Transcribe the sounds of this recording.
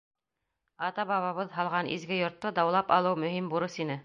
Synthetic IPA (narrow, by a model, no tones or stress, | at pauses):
ɑt̪ɑβɑβɑβɤðɦɑlˠʁɑnḭzɡɘjŏɾt̪ːod̪ɑwlˠɑpɑlˠɤwmɵ̆ɦimbuɾɤsinɘ